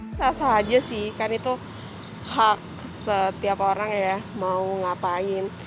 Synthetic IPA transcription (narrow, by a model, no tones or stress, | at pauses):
sasaɦad͡ʒasɪhkarnit̪u | hak̚ | sət̪iapoɾaŋjamauŋapaɪn